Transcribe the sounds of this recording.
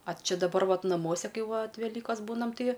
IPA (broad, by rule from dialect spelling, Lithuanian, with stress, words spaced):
ɐ ˈt͡ʃʲɪ dɐˈbɐr ˈʋɐt nɐˈmuɔsʲɛ ˈkɐɪ ˈʋɐt ʋʲɛˈlʲiːkoːs ˈbuːnɐm ˈtɐɪ